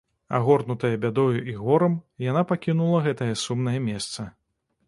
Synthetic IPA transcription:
a̰ɣɔrnut̪ɐjɐbʲad̪ɔjuʔiɣɔɾɐmjanapakʲinulˠɐɣɛt̪ɐjɐsumn̪ɐjɐmʲɛst̪sɐ

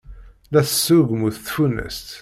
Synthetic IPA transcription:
læθəsːuɣəmʊθθfunə̰st̪

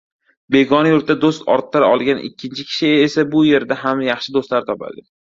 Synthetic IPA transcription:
be̞ɡɒnjʊɾt̪̚d̪ad̪ost̪ɒ̰ɾt̪ːɪɾaɒlˠɡʲanʔɪ̰kʲʰːɪnt͡ʃʰɪkʲʰɪ̥ʃɪeesabʊje̞ɾd̪aɦamjɑχʃɪd̪ost̪laɾɪt̪ʰɒpʰa̰d̪ɪ

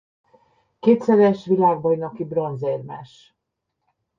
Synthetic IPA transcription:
keːt̪sɛɾɛʃʋilaːɡ̚bɒjnɒkibro̞nzeːrmɛʃ

